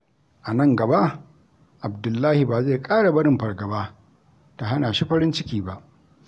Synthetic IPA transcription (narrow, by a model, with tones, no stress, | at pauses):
ʔa˨nɐ˦ŋɡɐ˨ba˦ʔ | ʔa˨bdʊ˨lːaː˦hɪ˨baː˨ze˦˨kʼaː˦ɽa˨bɐ˦ɽɪ˨mɸɐ˨ɽɡɐ˨baː˦ | ta˨ɦa˦naː˨ʃi˦ɸɐ˦ɾɪ˦nt͡ʃɪ˦kʲiː˦ba˦ʔ